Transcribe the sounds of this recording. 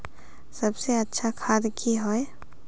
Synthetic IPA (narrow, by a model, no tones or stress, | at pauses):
sɐbseɐtːʃʰakʰaːd̪kʰiɦoe